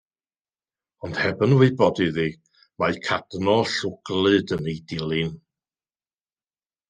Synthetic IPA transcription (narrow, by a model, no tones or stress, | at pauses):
ɔnd̥hɛbənwɪɨbɔdiðiː | majkʰad̥nɔɬʊɡ̥lɨdənejdɪlˠɪn